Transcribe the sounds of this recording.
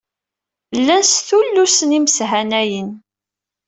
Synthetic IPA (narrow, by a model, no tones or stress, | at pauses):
lːænsθulːusəniməsɦænæjən